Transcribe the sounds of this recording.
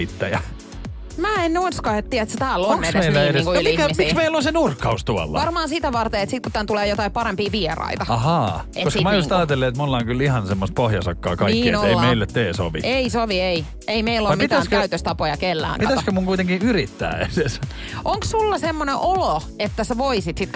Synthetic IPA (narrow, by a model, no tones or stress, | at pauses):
it̪ːæjæ | mæːennoinskɑet̪t̪ːiæet̪set̪æːlːonkːest̪eeæenːŋkunlmiikæismiksmeilːonsenurkːɑust̪uɑ̰lːɑ̰ʋɑɑrmɑːnsit̪æʋɑrt̪eet̪sit̪kut̪ænt̪uleːjot̪ɑippɑɾempiːʋierɑ̰it̪ɑɑhɑːkʔeoskːmɑjust̪ɑːt̪elːeːt̪mulːɑoŋkylihɑnsemːost̪̚pohjɑsɑkːɑ̰ːkɑnikːinoeimeilːet̪t̪ːeːso̰ʋḭeisoʋiei | eimeilːompit̪æːnstkæyt̪øst̪ɑpojɑkelːæ̰ːŋkpiɑt̪æskømuŋkuit̪eŋkiyrit̪ːæ̰ːeses | ʔoŋkssulːɑsemːonẽʔolo | et̪ːæseʋoisit̪sit̪ː